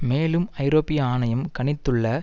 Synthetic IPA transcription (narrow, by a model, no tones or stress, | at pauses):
meːlɯmɐɪɾoːpɪjaːnɐjɐmkɐɳɪt̪ːɯɭːɐ